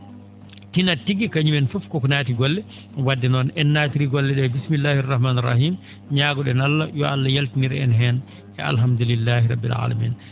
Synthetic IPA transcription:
tinatiɡikaɲumɛnfɔfkɔkɔnaːtiɡɔlːɛ | wadːɛnɔnɛnːaːtiɾiɡɔlːɛɗɛbismilːaːhrˤːɑhmaːnɛrˤːɑ̰hiːm | ɲaːɡɔɗɛnalːajɔalːajaltiniɾɛ̰nɦɛn | ɛ̰a̰lɦamd̪ulilːaːhɾɑbːḭlʕa̰la̰mḭːn

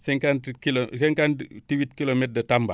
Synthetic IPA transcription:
seŋkantkilosɛŋkanttiwitkilomet̚dətamba̰

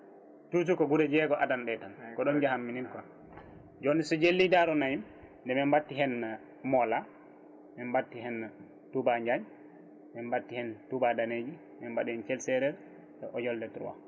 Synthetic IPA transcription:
tutukɔɡudɛd͡ʒɛɡɔʔadanɗɛtankɔɗɔnd͡ʒahamːinimkɔ | d͡ʒonːisɔd͡ʒelːidaɾɔnajim | ndɛmɛmbatːiɦɛn | mɔla | mɛmbatːiɦɛna | tubaɲd͡ʒaɲ | mɛmbatːihɛntubadaned͡ʒi | mɛmbaɗihɛnt͡ʃɛlsɛɾɛɾ | tɛʔɔjɔldɛtɾṵwa̰

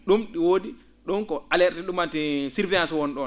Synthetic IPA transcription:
ɗumɗiwoːdi | ɗɔnkɔalɛɾtɛɗumatisiɾvɛasɔwɔnɗɔ

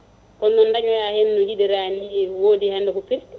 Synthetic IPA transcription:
kɔnːɔndaɲɔjahennud͡ʒidɛɾaniwoːdihɛndɔkupiɾ

